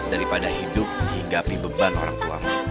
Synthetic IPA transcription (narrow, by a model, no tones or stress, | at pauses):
daɾipadaɦidʊp̚dihiŋɡapibəbano̰ɾaŋt̪ua̰m